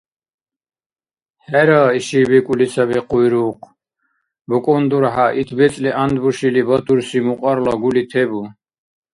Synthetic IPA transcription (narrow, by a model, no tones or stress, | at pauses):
hɛɾaːiʃibɛkʼulisabɛqʼujɾuːqʰ | bɔkʼɔnd̪uɾħaʔit̪ʰbɛt͡sʼliʔand̪buʃilibɔt̪ʰuɾsimuqʼɔɾlɔɡulit̪ʰɛbu